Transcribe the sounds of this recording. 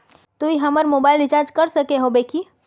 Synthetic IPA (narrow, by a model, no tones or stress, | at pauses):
t̪uiɦɐməɾmoːbaːɪlɪd͡ʒaːɾd͡ʒkɐɾsɐkeɦobeːki